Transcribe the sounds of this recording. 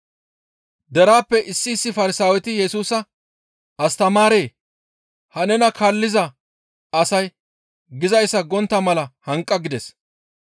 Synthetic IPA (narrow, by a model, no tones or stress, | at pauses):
d̪ɛɾaːpːɛʔɪsːɪːsːɪfɐɾɪsaːwɛt̪ɪjɛsuːsɐ | ɐst̪ɐmaːɾe̞ː | hɐnɛnɐkʰaːlːɪzɐ | ɐsɐj | ɡɪzɐjsːɐɡɔnt̪ːɐmɐlɐhɐŋkʼːɐɡɪd̪ɛs